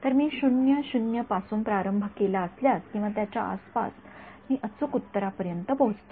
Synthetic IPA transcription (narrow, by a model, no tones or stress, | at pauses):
t̪əɾmiːɕunjəɕunjəpasuːnpɾaɾəmbʱəkelaəsljaskĩw̃ʋat̪jat͡ɕa̰ʔa̰spa̰s | miːʔət͡sukut̪ːəɾapəɾjənt̪əpəɦut͡st̪o̥